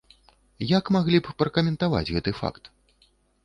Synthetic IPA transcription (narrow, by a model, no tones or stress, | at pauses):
jakmaɣlʲippɾɐkɐmʲɛnt̪ava̰d͡zʲɣɛt̪ɨfa̰kt̪